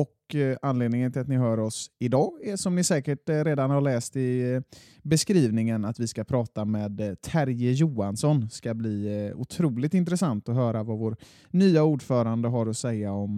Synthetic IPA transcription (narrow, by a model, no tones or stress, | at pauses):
ɔkanleːd̪nɪŋənt̪ʰɪlat̪nɪɦœːɾɔsɪd̪ɑːɛʂɔmnɪsɛːkəʈɾeːd̪anhaɭɛːst̪ɪ | bɛskɾiːvnɪŋənat̪vɪskapʰɾɑːt̪amɛːd̪t̪ʰæɾjɪjuːansɔnskabliːʊ̰t̪ʰɾuːlɪt̪ɪnt̪ɾɛsant̪ɔɦœːɾavavoːɾ | nyːauːɖfœːɾand̪əɦaɾɔsɛjːaɔm